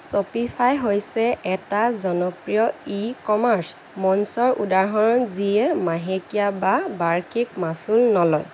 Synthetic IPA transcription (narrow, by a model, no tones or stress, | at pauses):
sɔpipʰajɦojsɛʔɛtazɔnɔpɹijɔikɔmaɹs | mɔnsɔɹʔudaɹɦɔɹɔnziɛmaɦekijababaɹkʰik̚masulnɔlɔj